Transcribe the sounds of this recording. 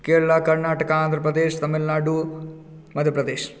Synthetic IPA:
keːɭɭakɐɾnaːʈɐkɐaːnd̪ʱɾɐpɾɐd̪eːʃt̪ɐmilnaːɖu | mɐd̪ʱjɐpɾɐd̪eːʃ

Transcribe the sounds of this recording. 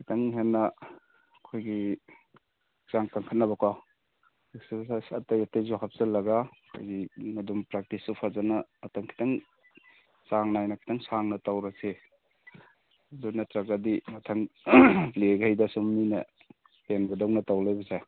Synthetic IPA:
kaŋiŋɦenːɐ | kʰojɡi | z̥aŋkaŋkʰat̚nɐbɐkʰwa | esibsasatajatejzɔɦap̚zɐlɐɡakʰo̰jɡimɐdumpɾak̚tisupʰazanɐːtamkʰi̥taŋ | saŋnajnakʰi̥taŋsaŋnɐtawɾase | dunɐtɾaɡadimɐtʰaŋ | leɡajdasumːinɐ̰ | enbɐdawnɐtawlajbɐzaj

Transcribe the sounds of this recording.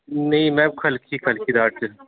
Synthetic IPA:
nɐĩmɛ̃ːkʰɐlkʰikʰɐlkʰid̪aːʈe

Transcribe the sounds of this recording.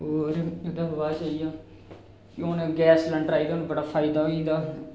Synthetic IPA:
ɦoːɾʊd̪aːɦəʋaːt͡ʃaːijaː | kõːnːɡɛːsləɳɖɾaːid̪anbəɽaːpʰaːɪd̪aːɦoĩːnd̪aː

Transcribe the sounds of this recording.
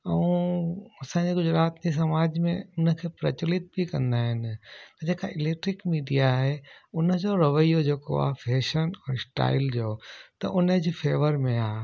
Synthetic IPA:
ɛũɐsãːɲd͡ʑeɡʊd͡ʑɾaːt̪d͡ʑis̬ɐmaːd͡ʑmḛ̃ʊnə̆kʰeːpɾɐt͡ɕʊlɪt̪̚bʱikɐ̃nd̪aːɦɪnɪ̆t̪ɐd͡ʑeːkaʔɪleːk̚ʈɾɪkmiːɖijaɦeʊnə̆d͡ʑoɾɐʋəijod͡ʑeːko̰a̰ːfʰeːʃənɛːsʈa̰ːɪld͡ʑoːt̪ɐ̰ʔʊnəd͡ʑifʰeːʋəɾmẽaː

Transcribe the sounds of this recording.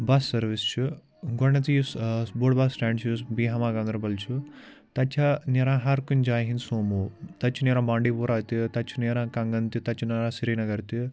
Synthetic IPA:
basːɐɾʋist͡ʃʰu | ɡoɳɐt̪ijusboːʈbaːsːʈaːɳɖt͡ʃʰus̬biːɦɐmaːɡɐnd̪ɾɐbɐlt͡ʃʰu | t̪ɐt͡ʃʰɐniɾãːɦɐɾkund͡ʒaːjɦinsoːmut̪ɐt͡ʃʰuneːɾãːbaːɳɖiːpuːɾaːt̪it̪ɐt͡ʃʰuneːɾãːkɐŋɡɐnt̪it̪ɐt͡ʃʰunɐɾãːsiɾiːnɐɡɐɾt̪i

